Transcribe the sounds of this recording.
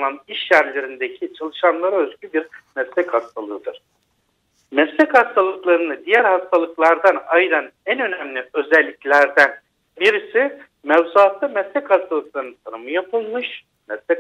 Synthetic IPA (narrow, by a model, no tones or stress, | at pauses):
nˠaniʃjæɾlʲeɾind̪ecʰit͡ʃʰalˠɯʃamnlˠaɾaøzɟybiɾmɛslʲɛchast̪ʰalˠɯɯd̪ɯɾ̥ | mɛslʲɛchast̪ʰalˠɯklˠaɾɯnɯd̪ijæɾhast̪ʰalˠɯklˠaɾd̪anajɾanænø̞næmlʲiø̞zɛlʲːiclʲæɾd̪æn | biɾisi | mɛvzuat̪ʰːamɛslʲɛchast̪ʰalˠɯk̚lˠaɾɯnɯnt̪ʰanɯmɯjapʰɯlˠmɯʃ | mɛslʲɛ